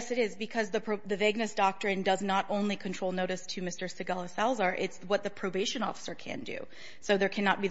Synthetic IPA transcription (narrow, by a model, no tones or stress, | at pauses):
sɨɾɪzbɨkʰʌzðɨpʰðɨvɪɡ̚nɨsd̥ɑk̚tɹ̥ɨ̃ndʌznəɾʔõʊ̃nlikʰɨ̃ntʰɹ̥oʊlˠnoʊɾɨstʰɨmɪstə˞sɨɡɑlˠəsælˠzə˞ʔɪtswʌt̪̚ðɨpʰɹ̥oʊbeɪʃɨ̃nɔ̰fə̥sə˞kʰɨ̰̃ndʉ̰ | soʊðə˞kʰænət̚b̥i